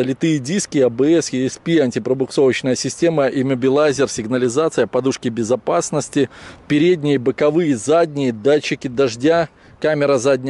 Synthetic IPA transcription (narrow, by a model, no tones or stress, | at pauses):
əlʲɪt̪ɨjədʲiskʲɪɐbɨɛsjɪɛspʲianʲtʲɪpɾəbʊkso̞vət͡ɕnəjəsʲɪsʲtʲe̞məʔimʲəbʲɪlˠazʲɪrsʲɪɡnəlʲɪzat̪sɨjəpɐd̪uʂkʲɪbʲɪzɐpasnəsʲtʲɪpʲɪɾʲedʲnʲɪjəbɨkɐvɨjəzadʲnʲɪjəd̪at͡ɕːɪkʲɪd̪ɐʐdʲa | kamʲɪɾəzadʲnʲ